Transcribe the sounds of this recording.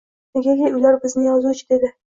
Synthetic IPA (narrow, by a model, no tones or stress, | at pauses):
neɡʲaɡʲeʊjlaɾbɪznɪjɒzut͡ʃʰɪd̪ed̪ɪ